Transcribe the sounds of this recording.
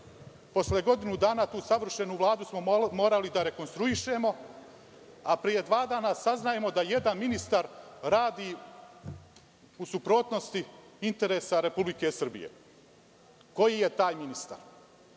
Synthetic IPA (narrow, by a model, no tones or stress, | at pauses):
po̞sleɡo̞d̪inud̪aːnat̪uːsaʋr̩ʃe̞nuːʋlˠaːd̪usmo̞mo̞ːɾalid̪aɾe̞ko̞nst̪ɾuiʃe̞ːmo̞ | apɾije̞d̪ʋaːd̪aːnasaznaje̞mo̞d̪aje̞d̪anminist̪aɾɾaːd̪iː | usupɾo̞ːt̪no̞st̪i | int̪e̞ɾe̞ːsaɾe̞publike̞sr̩bḭjḛ | ko̞jije̞t̪aːjminist̪a̰ɾ